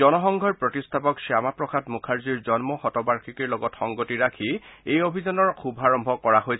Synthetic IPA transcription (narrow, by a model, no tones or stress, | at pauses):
ɔnɔxɔŋɡʱɔɹpɹɔtistʰapɔksiamapɹɔkʰatmukʰaɹziɹzɔnmɔxɔtɔbaɹkʰikiɹlɔɡɔtxɔŋɡotiɹakʰiejobʱizɔnɔɹxʰubʱaɹɔmbʱɔkɔɹaɦoj